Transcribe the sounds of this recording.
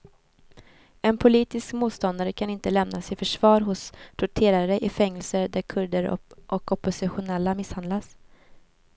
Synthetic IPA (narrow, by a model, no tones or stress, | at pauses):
ɛnpʰʊliːt̪ɪskmuːt̪st̪ɔnd̪aɾəkʰanɪnt̪əlɛmnasɪfœʂvɑːɾɦʊst̪ʰʊʈʰeːɾaɾəʔɪfɛŋːɛlsəɾd̪æɾkʰɵɖəɾʔɔkɔpːʊsɪɧʊnɛlːamɪshand̪las